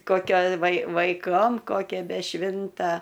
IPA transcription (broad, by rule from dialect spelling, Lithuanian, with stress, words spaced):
koːˈkʲoː ʋɐɪ ʋɐɪˈkoːm koːˈkʲɛ bʲɛ ˈʃʲʋʲɪntɐ